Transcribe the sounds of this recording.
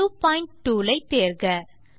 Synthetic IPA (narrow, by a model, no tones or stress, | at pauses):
uːpaːɪɳʈʈːuːlɐɪt̪ːeːɾɡɐ